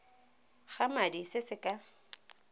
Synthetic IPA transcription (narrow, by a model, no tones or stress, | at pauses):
χamadisɪsɪkʼa